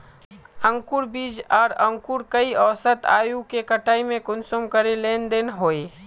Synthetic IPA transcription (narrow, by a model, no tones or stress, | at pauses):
ə̃ŋkuɾbiːd͡ʒɔːɾə̃ŋkuɾkəiɔːsət̪a̰ːjukekəʈaːimẽkʊnsomkəɾeleːnd̪eːnɦoːe